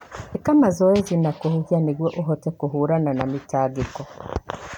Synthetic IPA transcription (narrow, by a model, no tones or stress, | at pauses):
ekamazɔezinakohuhjaniɣwɛʔoɦɔtɛkuɦuɾananamitaːɡikɔ